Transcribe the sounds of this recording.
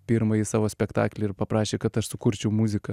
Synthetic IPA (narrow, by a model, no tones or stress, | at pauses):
pʲiɾmɐjisɑːʋoːsʲpʲɛkt̪ɑ̰ːklʲɛɪɾpɐpɾɑːʃʲeːkɐt̪ɐʃsʊkʊɾʲt͡ʃʲɛʊmuːzʲɪkɐ